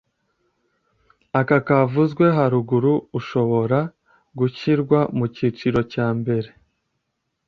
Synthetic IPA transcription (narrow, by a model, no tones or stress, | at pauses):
akakavuzɡwe̞ɦaɾuɡuɾuːʃo̞βo̞ɾa | ɡuçiɾɡwamuciːt͡ʃiɾo̞caːmbe̞ɾe̞